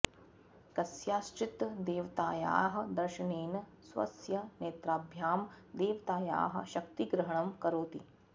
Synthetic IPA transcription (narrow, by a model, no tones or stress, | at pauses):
kɐsjaːst͡ʃit̪d̪eːʋɐt̪aːja̰ːɦɐ̆d̪ɐɾʃɐneːn | sʋɐ̰sjɐneːt̪ɾaːbʱjaːm | d̪eːʋt̪aːja̰ːɦɐ̰̆ʃɐk̚t̪iɡɾɐɦɐɳɐmkɐɾoːt̪ḭ